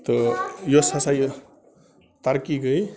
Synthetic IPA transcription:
t̪ʌjosasaj | t̪aɾkiɡʌj

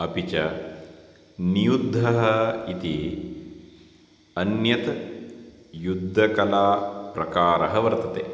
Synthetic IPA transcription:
ɐpit͡ʃɐ | nijud̪ʱːɐɦɐit̪i | ɐnjɐt̪ | jud̪ʱːɐkɐlaːpɾɐkaːɾɐɦɐʋɐɾt̪ɐt̪eː

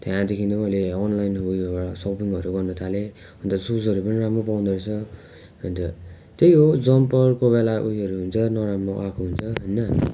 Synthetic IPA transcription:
t̪jãd̪ekʰind̪ʌmʌjleʌnlajnɦʌujaasʌpiŋʌɾuɡʌrnʌt̪ʰale | ɦʌnt̪ʌsud͡zʌɾupʌniɾamropaw̃nd̪ʌɾʌt͡sʰʌ | ɦʌnt̪ʌ | t̪ejɦod͡zʌmpʌrkobelaʔujʌɾuɦunt͡sʰʌnʌɾamroʔakʰoɦunt͡sʰʌɦʌjnʌ

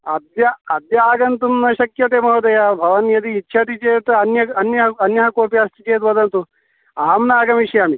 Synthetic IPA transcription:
ɐd̪jɐɐd̪jaːɡɐnt̪umnɐʃɐkjɐt̪eːmɐɦɐd̪ɐjaːbʱɐʋɐnjɐd̪iːtːʃʰɐt̪it͡ʃeːt̪ɐnjɐɐnjɐɦɐɐnjɐɦɐkoːpjaːst̪ʰit͡ʃeːt̪ʋɐd̪ɐnt̪u | aːmnaːɡɐmiʃjaːmi

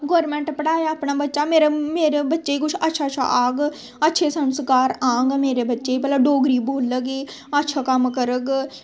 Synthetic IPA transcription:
ɡoːɾmɛ̃ːɳʈpəɽaːjaːpnaːbətːʃaːmeːɾeːmeːɾeːbətːʃeːiːkʊt͡ʃʰətːʃʰaːətːt͡ʃʰa̰ʔːɡ | ətːʃʰeːsənskaːɾãːŋɡmeːɾeːbətːʃeːiːpɛːlaɖoːɡɾiːboːləɡiː | ətːʃʰaːkəmkəɾəɡ

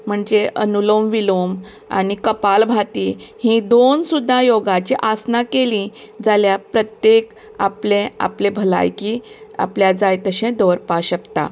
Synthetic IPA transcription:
m̤əɳd͡zeʔənulomʋilom | a̰nikəpalbʱaʈ̪ihĩd̪onsud̪ʱːajoɡat͡ɕiʔasnakelĩ | d͡zaljapɾət̪jek | aplẽa̰plebʱəla̰jkia̰pljad͡zajt̪əɕẽd̪oʋɾpaɕəkt̪a̰

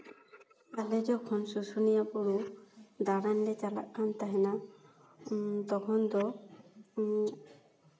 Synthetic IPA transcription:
alɛd͡ʒɔkʰɔnsusunijapuɾud̪aɾanlɛt͡ʃala̰ʔkant̪aɦɛna | t̪ɔkʰɔnd̪ɔ

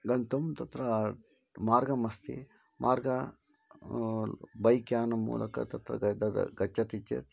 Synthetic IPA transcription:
ɡɐnt̪ɐmt̪ɐt̪ɾɐ | maːɾɡɐmɐst̪ḭ | mʔaːɾɡɐ | bɐjkjaːnɐmṵːlʔɐ̰kɐ̰t̪ɐt̪ɾɐ̰ɡd̪ɐd̪ɐ̰ɡɐt͡ʃːɐt̪it͡ʃːḛ

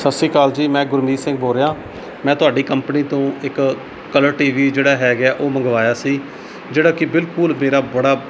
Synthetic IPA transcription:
səsiːkaːld͡ʒiːmɛ̃ːɡʊɾmiːsɪ̃ŋɡ̚boːɾeãː | mɛ̃ːt̪ʊaːɖiːkəmpniːt̪õːɪk | kːələɾʈiːʋiːd͡ʒeːɽaːɦɛːɡaːʔoːməŋɡʋaːjaːsiː | d͡ʒeːɽaːkɪbɪlkʊlmeːɾaːbəɽaː

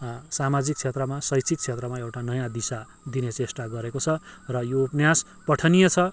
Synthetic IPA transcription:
samad͡zik̚t͡sʰet̪rʌmasʌjt͡sʰik̪̚t͡sʰet̪rʌmaewʈanʌjãd̪isa | d̪inet͡sesʈaɡʌɾekot͡sʰʌrʌjopnjas | pʌʈʰʌnijʌt͡sʰʌ

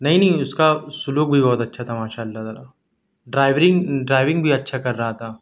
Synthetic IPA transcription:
nɐɦĩnɐɦĩʊskasʊluːk̚bʱibɔːt̪ɐtːʃʰat̪ʰamaːʃaːɐlːat̪aːlaː | ɖɾaːɪʋɾɪ̃ŋɖɾaːɪʋɪ̃ŋɡbʱiɐtːʃʰakɐɾːɐɦat̪ʰaː

